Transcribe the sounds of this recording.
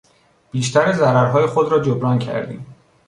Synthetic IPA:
b̥iːʃt̪ʰæɾezæɾæɾɦɒːjexod̪ɾɒːd͡ʒobɾɒːncʰæ̰ɾd̪ḭːm

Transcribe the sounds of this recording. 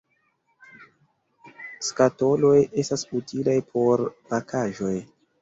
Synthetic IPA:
skato̞lo̞je̞stasutilajpʰo̞ɾpakʰaʒo̞j

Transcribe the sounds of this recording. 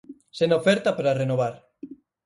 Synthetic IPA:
senofeɾt̪apaɾarenoβ̞aɾ

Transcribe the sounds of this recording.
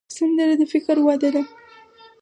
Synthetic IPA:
sand̪əɾad̪əfɪkɾwɑd̪ad̪a

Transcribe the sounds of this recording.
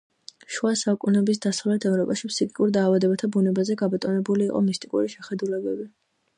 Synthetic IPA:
ʃwasaukʼunɛbis̬d̪asavlɛt̪ʰɛvɾɔpʼaʃipʰsikʼikʼuɾd̪aːvad̪ɛbat̪ʰabunɛbazɛɡabɔt̪ʼɔnɛbuliːqʼɔ̰mist̪ʼikʼṵɾiʃɛχɛd̪ulɛbɛbi

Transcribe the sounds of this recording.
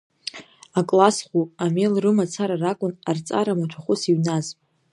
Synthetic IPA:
akʼlasχʷuamelrɨmat͡sʰaɾarakʷʼʊnart͡sʼa̰ɾamatʷʰaχʷʊsiɥnaz

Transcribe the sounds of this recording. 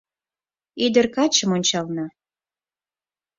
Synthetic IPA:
id̪ə̆rkɑt͡ɕə̆monʲt͡ɕɑlnɑ

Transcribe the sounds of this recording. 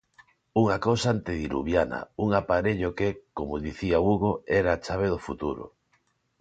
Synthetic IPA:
uŋakowsaant̪eðiɾṵβjana̰uŋapaɾeʎokekomoðiθiauɣoɛɾaːt͡ʃaβ̞eðofut̪uɾo̰

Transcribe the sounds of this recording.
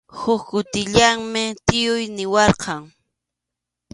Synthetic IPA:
hʊkkʊt̪ɪʎaŋmɪt̪ɪjʊjnɪwɑɾqɑŋ

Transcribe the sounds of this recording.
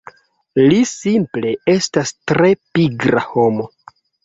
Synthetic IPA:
lisimple̞e̞stastɾe̞piɡɾa̰ho̞mo̞

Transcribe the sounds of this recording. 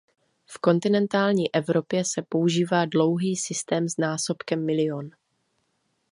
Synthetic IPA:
fko̞nt̪ɪnɛnt̪aːlɲiːʔɛvɾo̞pjɛsɛpo̞uʒiːvaːdlo̞wɦiːsɪst̪ɛːmznaːso̞pkɛmːɪlɪon

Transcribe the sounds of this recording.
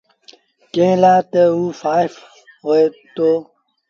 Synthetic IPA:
kẽːlaːt̪eufaːjf | ɦoet̪o

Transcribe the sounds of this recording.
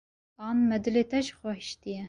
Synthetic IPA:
ɑːnmɛd̪ɨleːt̪ɛʒxwɛhʃt̪ijɛ

